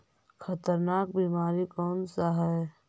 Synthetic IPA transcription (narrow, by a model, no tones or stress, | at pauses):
kʰət̪əɾnaːk̚biːmaːɾikɔːnsaɦɛ